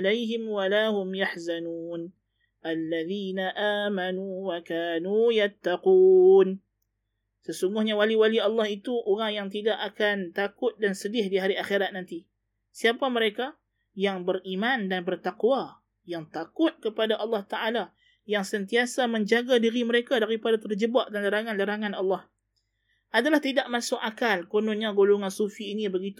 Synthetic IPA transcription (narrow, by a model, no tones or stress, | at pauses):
lajɦɪmwalaɦʊmjaħzanuːn | ʔalːaðiːnaʔaːmanuwakaːnuːjat̪ːaquːn | səsuŋɡʊhɲawaliwaliɑlːɑhit̪uʔoɾaŋjaŋt̪̬idaʔakant̪akʊt̪̚dansədɪhdiɦaɾiaxeɾat̪̚nant̪i | siapaməɾeka | jaŋbərimãndanbərt̪aqwa | jaŋt̪akʊt̪̚kəpadaʔɑlːɑht̪aʔala | jaŋsənt̪iasaməɲd͡ʒaɡadiɾiməɾekadaɾipadat̪ərd͡ʒəbaʔdanlaɾaŋanlaɾaŋanɑlːɑh | ʔadalaht̪idaʔmasʊk̚akalkonʊnɲaɡoloŋansufiːnibəɡit̪u